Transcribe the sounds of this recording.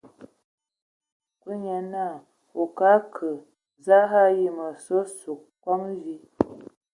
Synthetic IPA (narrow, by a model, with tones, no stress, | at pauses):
kwə˦ɲɛ˨na˦˨ | o˨ka˦kʰə˨ | za˦ɦa˦˨ji˦mə˨so˦su˨k | kwa˦ŋzi˦